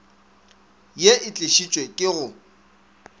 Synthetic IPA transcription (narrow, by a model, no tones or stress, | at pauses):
jeʔɪt͡ɬʼeʃit͡ʃʼwekʼɪɣʊ